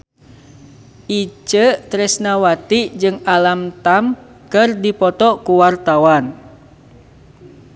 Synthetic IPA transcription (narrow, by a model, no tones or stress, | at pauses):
ʔit͡ʃət̪ɾɛsnawat̪id͡ʒɨŋalamt̪am | kɨrdipɔt̪ɔkuwart̪awan